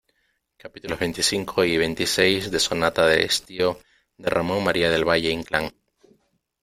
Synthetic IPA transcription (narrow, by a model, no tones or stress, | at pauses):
kapit̪ulo̞zβent̪isiŋkʰoiβ̞ent̪isejzðe̞sonat̪aðeḛst̪io | d̪erʔamõŋmaɾiað̞e̞lβaʝeiŋklaŋ